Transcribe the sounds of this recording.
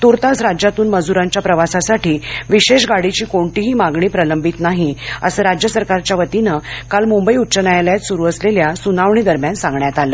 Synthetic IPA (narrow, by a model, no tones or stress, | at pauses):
t̪uɾt̪asɾad͡ʑjat̪uːnməd͡zuɾãɲt͡ɕjapɾəʋasasaʈiːʋiɕeɕɡaɽit͡ɕiːkoɳʈiɦiːmaɡɳiːpɾələmbit̪naɦiəsəːɾad͡ʑjəsəɾkaɾt͡ɕjaʋət̪inəkalmumbəiutːt͡ɕənajaljat̪suɾuːəsleljasunaʋɳiːd̪əɾmjansãŋɡɳjat̪aləː